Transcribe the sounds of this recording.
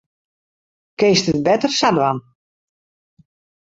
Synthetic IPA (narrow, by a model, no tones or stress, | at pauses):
keːstət̚bɛtərsadwan